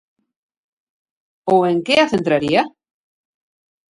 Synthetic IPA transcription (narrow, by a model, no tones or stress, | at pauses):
oeŋkeaθent̪ɾaɾia